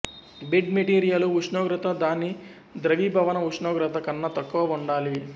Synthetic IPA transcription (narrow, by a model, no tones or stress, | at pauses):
biɖmeʈiːɾijɐluuʂɳoːɡɾɐt̪ɐd̪aːni | d̪ɾɐʋiːbʱɐʋɐnɐuʂɳoːɡɾɐt̪ɐkɐnːɐt̪ɐkːuʋɐuɳɖaːli